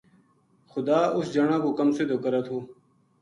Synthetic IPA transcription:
xʊd̪aːʔʊsd͡ʒəɳãːkoːkɐmsɪd̪ʱoːkəɾət̪ʰɦoː

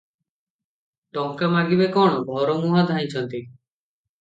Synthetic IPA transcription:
ʈɔŋkamaɡibekɔɽ̃ɔbʱɔɾɔmuɦad̪ʱaĩt͡ʃʰɔnt̪i

